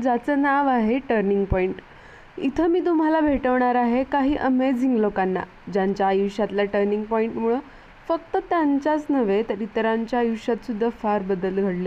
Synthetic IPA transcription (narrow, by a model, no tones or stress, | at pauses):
d͡zat͡sənaʋaɦeʈəɾniŋɡpɔiɳʈ | it̪ʰəmiːt̪um̤alabʱeʈəʋɳaɾaɦekaɦiːʔəmed͡ziŋɡlokanːa̰ | d͡ʑaɲt͡ɕjajiwɕat̪laʈəɾniŋɡpɔiɳʈmuɭə | fəkt̪ət̪jaɲt͡ɕat͡snəʋet̪əɾit̪ɾaɲt͡ɕjajiʋɕat̪sud̪ʱːafaɾbəd̪əlɡʱəɽlje